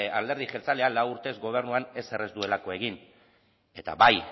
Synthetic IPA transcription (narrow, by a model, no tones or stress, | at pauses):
ald̪e̞ɾðiχelt͡salealawuɾt̪e̞zɡo̞β̞e̞ɾnuane̞se̞re̞zd̪ue̞lako̞e̞ɣ̞in | e̞t̪a̰βaj